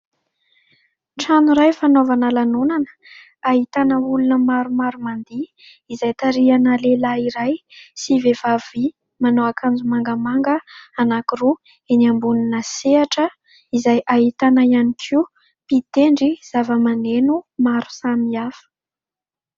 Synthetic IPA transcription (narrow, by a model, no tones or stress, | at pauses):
ʈ͡ʂanuɾajfanovanəlanonanə̥ | aɦit̪anəulunəmaɾumaɾumand̪iː | zajt̪aɾianəlelaiɾajsivevavi | manowakʰand͡zumaŋɡəmaŋɡəanakiru | eniambuninəseaʈ͡ʂə | izajʔaɦit̪anaianikʰiu | pit̪eɳɖ͡ʐiz̥avəmanenumaɾu̥samiafə̥